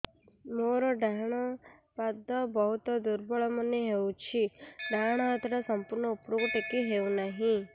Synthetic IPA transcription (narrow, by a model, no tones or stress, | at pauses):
moɾoɖʱaɳ̃ɔpad̪ːɔbɔɦut̪ɔd̪uɾbɔɭɔməneɦeũt͡ʃʰiɖʱaɳ̃aɦət̪ɾasəmpuɾnɔupɾoɡʈekiɦeũnaɦĩ